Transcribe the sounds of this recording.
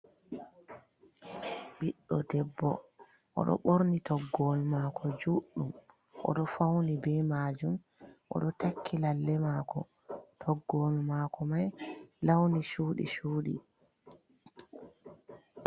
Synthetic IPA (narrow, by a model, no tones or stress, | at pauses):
ɓiɗːɔdɛbːɔ̰ | ʔɔ̰ɗɔ̰ɓoɾnitʰɔɡːolmaːkʰɔd͡ʒuɗːum | ʔɔ̰ɗɔfawnibɛmaːd͡ʒum | ʔɔ̰ɗɔtakʰːilalːɛmaːkʰɔ̰ | tʰɔɡːoːlmaːkʰɔmajlawniʃuːɗḭʃuːɗḭ